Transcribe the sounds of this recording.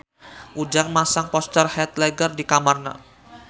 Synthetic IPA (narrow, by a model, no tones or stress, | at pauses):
ʔud͡ʒaŋmasaŋpɔst̪ərhɛt̪̚lɛɡərdikamarna̰